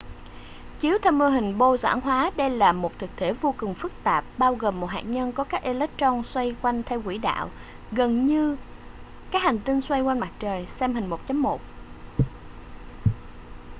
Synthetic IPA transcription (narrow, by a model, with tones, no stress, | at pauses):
t͡ɕi˨˦əwt̪ʰɛ˧mə˧ɦï˨˩ŋ̟ɓo˧za̰ː˧˥˩ŋɦwaː˨˦ɗə˧jlaː˨˩mo˨˩t̚t̪ʰɨ˨˩k̚t̪ʰe˧˩˥vo˧kʊ˨˩ŋfɨ˦˥k̚t̪aː˨˩p̚ɓaː˧wɣəː˨˩mːo˨˩t̚ɦa̰ː˨˩ɲə˧nkɔ˨˦kaː˦˥k̚ʔe˧lə˦˥k̚t͡ɕɔ˧nswa˧jkwa˧jŋ̟t̪ʰɛ˧wkwḭ˧˩ɗa̰ː˧˨w | ɣə˨˩nɲɨ˧ | kaː˦˥k̚ha˨˩ŋ̟t̪i˧nswa˧jkwa˧jnma˨˩t̚t͡ɕəː˨˩jsɛ˧mhï˨˩ŋ̟mo˨˩t̚t͡ɕə˨˦mːo˨˩t̚